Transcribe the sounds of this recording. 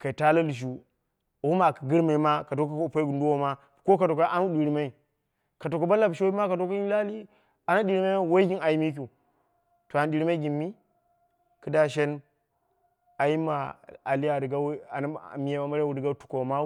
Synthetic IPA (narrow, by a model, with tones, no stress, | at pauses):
ka˨i˨ta˦la˦lu˨ʃ̬u˦˨ | u˦ma˨ki˨ɡɨ˦ɾma˨i˨ma˦ka˨to˦ka˦po˦i˦ɡu˨ndu˦wo˦ma˦˨ko˦ka˨to˨ka˦ʔa˦nu˦ɗi˨ɾi˨ma˦i˨ | ka˨to˨ka˦ba˦la˨bʃo˦i˦ma˦ka˨to˦ka˦i˦la˦li˦ | a˨na˦ɗi˨ɾi˦ma˦a˦wo˦ɡi˦na˨ji˦mi˦k̬ʲu˨ | to˨a˨na˦ɗi˨ɾi˦ma˦i˦ɡʲi˨mːi˦ | kɨ˦da˦ʃ̬e˦n | a˨ji˦ma˨a˨li˦ja˨di˨ɡa˦a̰˨n˦˨mi˨ja˨ma˨ma˦ɾwu˨di˨ɡa˦tu̥˨ko˨ma˦